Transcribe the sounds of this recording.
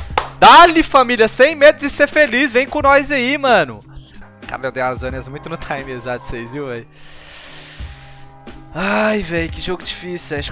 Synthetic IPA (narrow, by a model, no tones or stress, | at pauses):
d̪alɪfamiljɐsẽj̃med̪ʊzɪseɾfelizvẽj̃kõnɔzaimɐ̃nʊ | ka̰ɾbewd̪ealazõniɐzmũj̃t̪ʊnʊt̪ʰãj̃miezad̪ʊ̥sejzviwvɛj | ajvɛjʊkɪʒoɡʊd͡ʒifisiwãʃ